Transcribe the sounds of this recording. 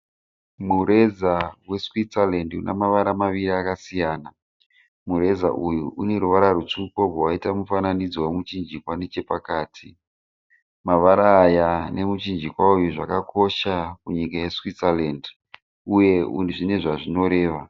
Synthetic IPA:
muɾe̞zawe̞swit͡salendṵnʔḛmaʋaɾamaʋiɾiakasijaːna | muɾe̞za̰ʔujuʔune̞ɾuʋaɾarut͡ʂukoɡowaitamufananid͡zwowemut͡ʃind͡ʒikwanet͡ʃe̞pakaːtʰi | maʋaɾaːjane̞mut͡ʃind͡ʒikwaujuʐakakʰo̞ʃakuɲikajeswit͡salend | uje̞ṵnʐine̞ʐaʐino̞ɾe̞ːʋa

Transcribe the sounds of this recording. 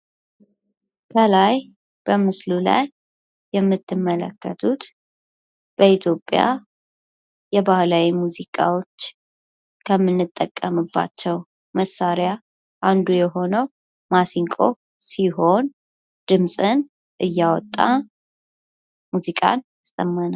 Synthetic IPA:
kʰəlaj | b̥əmɨslula̰jː | ɛmːɨt̪ʰːɨmːələ̰kːə̰t̪ʰut̪ | b̥əit̪ʰjo̞pʼja̰ | jɛbahlawimuzikʼa̰wo̞t͡ʃː | kʰəmːɨnːɨt̪ʼːəkʼːəmɨbːa̰t͡ʃːɛw | məsaɾja | ʔand̪ujɛɦo̞nəw | masiŋkʼo̞̰ | siho̞n | d̪̥ɨmsʼɨn | ʔɨjːawɔt̪ʼːa̰ | muzikʼa̰nast̪ʼəmːanal

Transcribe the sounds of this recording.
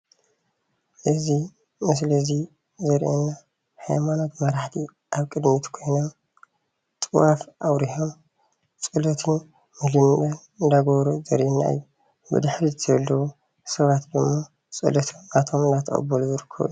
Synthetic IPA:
ʔɨzi | mɨs̬lɐzi | zɐɾʔḛnːa | hajmanot̪mɐɾaħt̪ʰi | ʔaβkʼɨd̪mit̪kʰo̞jnom | t̪ʼɨwafʔawɾiħo̞m | t͡sʼɨlot̪ʰɨn | mɨlɨmʔɐn | ɨnd̪aɡoβɾuzɐɾʔinːa̰ɨ̰jːu | bɨ̰d̪ɨħɾizɨt̪ʰβlːɐwu | sɐβat̪d̪ɨmːo | t͡sʼɨ̰lot̪ʰɨnat̪ʰomɨnd̪at̪ʰɐ̰χʼɐ̰bɐluzɨɾɨkʰːɐ̰β

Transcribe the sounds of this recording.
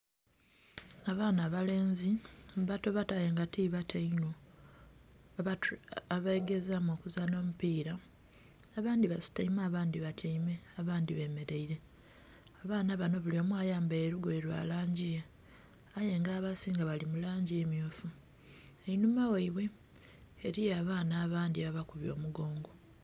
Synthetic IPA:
aβaːnaβale̞ːnziβato̞βataje̞ŋɡatiβatʰeino | aβaeɡe̞zamokuzano̞ːmupiːɾaː | βaːndiβasu̥taimaːβaːndiβatʰaime̞aβaːndiβe̞ːme̞ɾeiɾe̞ | aβaːnaβano̞βulio̞ːmwaːjaːmbaːɾuɡoeɾwa̰ːlaːɲɟije | aje̞ŋɡaːβasiːŋɡaβalimulaːɲɟiemjoːfu | einumaweiβwe̞ː | ɾijaːβaːnaːβaːndiβaβakuβjo̞̰ːmuɡo̞ːŋɡo̞

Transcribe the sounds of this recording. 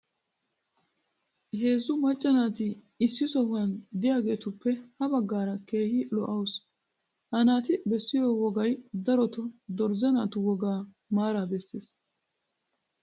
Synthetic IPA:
he̞ːzʊmɐt͡ʃʼːɐnaːt̪ɪː | sːɪsɔhʊɐnd̪ɪjaːɡe̞ːt̪ʊpːɛhɐbɐɡːaːɾɐke̞ːhɪlɔʔɐws | hɐnaːt̪ɪbɛsːɪjoːwɔɡɐjd̪ɐɾɔt̪ɔd̪ɔɾzɛnaːt̪ʊwɔɡaː | maːɾaːbɛsːes

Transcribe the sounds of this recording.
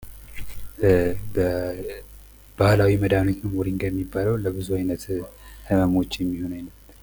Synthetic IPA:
bə | b̥ahlawiməd̪amnot̪nɨmoɾiŋɡəjɛmːibːaləwləbɨzuajnət̪hɨməmo̞t͡ʃːjɛmːiho̞najləbən

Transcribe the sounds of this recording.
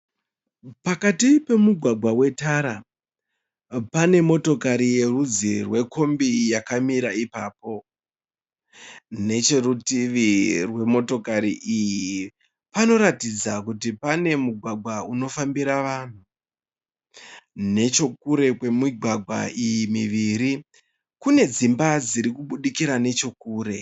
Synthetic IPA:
pakatipe̞muɡʱwaɡʱwawe̞taɾa | pane̞mo̞to̞kaɾije̞rud͡zirwe̞kʰo̞mbijakamiɾaipaːpo̞ | ne̞t͡ʃe̞rutiʋirwe̞mo̞to̞kaɾiʔiji | pano̞ɾatid͡zakutipane̞muɡʱwaɡʱwauno̞fambiɾaʋan̤u | ne̞t͡ʃo̞k̚uɾe̞kwe̞miɡʱwaɡʱwa̰ijimiʋiɾi | kune̞d͡zimbad͡ziɾikuɓuɗikiɾane̞t͡ʃo̞kuːɾe̞

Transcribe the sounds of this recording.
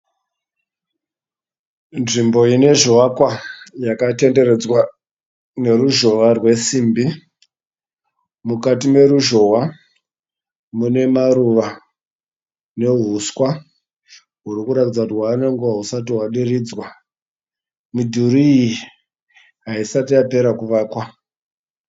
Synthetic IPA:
nʐimbo̞ine̞ʒowakwajakate̞nde̞re̞d͡zwa | ne̞ɾuʒo̞ʋarwe̞siːmbi | mukatime̞ɾuʒo̞wa | mune̞maɾuʋa | ne̞ɦuskwa | ɦurikuɾatid͡zakutiwaːneŋɡuʋaɦusatiwaɗiriːd͡zwa | mudʱuɾiːji | ɦaisatiape̞ɾakuʋaːkwa

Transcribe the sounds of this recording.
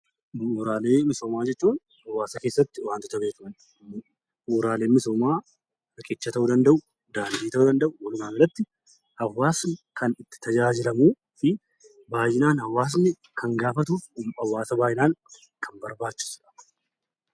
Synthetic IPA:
moːɾaːle̞ːmɪso̞ːmaːd͡ʒɛt͡ʃːuːn | hɐwːaːsɐke̞ːsːɐt̪ːɪwaːnt̪ɪt̪ɐbeːkɐmɐn | oːɾaːle̞ːmɪso̞ːmaː | ɾɐkʼɪt͡ʃːɐt̪ɐʔuːd̪ɐnd̪ɐʔʊ | d̪aːnd̪iːt̪ɐʔuːd̪ɐnd̪ɐʔʊwɐlʊmaːbɐlɐt̪ːɪ | hɐwːaːskʰɐnɪt̪ːɪ̥t̪ɐd͡ʒaːd͡ʒɪlɐmuː | fɪ | baːjɪnaːnhɐwːaːs̬nɪ | kɐŋɡaːfɐt̪̬uːfɐwːaːsɐbaːjɪnaːŋ | kʰɐmbɐɾbaːt͡ʃːɪ̥sᶑɐ̥

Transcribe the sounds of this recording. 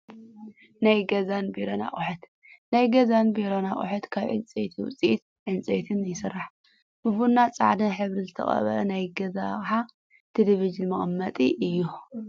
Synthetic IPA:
najɡɐzanbiɾona̰χʼuħɨt̪ | najɡɐzanbiɾonaχʼṵħɨt̪kʰaβʕɨ̰nt͡sʼḛt̪ʰiwʊ̰t͡sʼiʔt̪ | ʕɨnt͡sʼḛt̪ʰɨnjɪsɨrːaħ | b̥ɨβunːat͡sʼa̰ʕd̪ɨnħɨβɾizɨt̪ʰɐ̰χʼɐ̰βɐʔɐnajɡɐzakʼħa | t̪ʰeleβid͡ʒɨnmɐχʼɐmːɐt̪ʼiʔɨjːu

